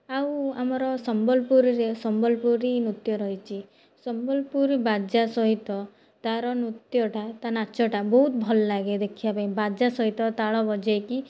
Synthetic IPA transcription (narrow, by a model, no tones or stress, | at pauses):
awamɔɾɔsɔmbɔlpuɾiɾesɔmbɔlpuɾinut̪jɔɾɔɦit͡ʃʰi | sɔmbɔlpuɾibad͡ʒasɔɦit̪ɔ | t̪aɾɔnut̪jɔʈat̪anat͡ʃʰɔʈabɔɦut̪bʱɔlɔlaɡed̪ekʰiapaĩbad͡ʒasɔɦit̪ɔt̪aɭɔbɔd͡ʒaki